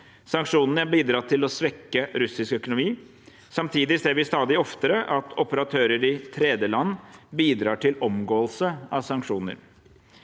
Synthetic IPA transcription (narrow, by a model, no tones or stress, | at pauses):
sɑŋkʂuːnənəɑbiːd̪ɾɑːt̪ʰɪlɔsʋɛkːəɾʉsɪskœkʊnʊmiː | sɑmt̪ʰiːd̪ɪseːɾʋɪst̪ɑːd̪ɪɔft̪əɾəʔɑt̪ʰɔpəɾɑt̪ʰøːɾəɾɪt̪ʰɾɛːd̪jəlɑnːbiːd̪ɾɑːʈɪlɔmɡoːəlsəɑʋsɑŋkʂuːnə̰ɾ